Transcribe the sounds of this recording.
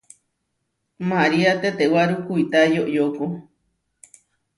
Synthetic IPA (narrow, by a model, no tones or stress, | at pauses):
maɾiat̪et̪ewaɾukuit̪ajoʔjoko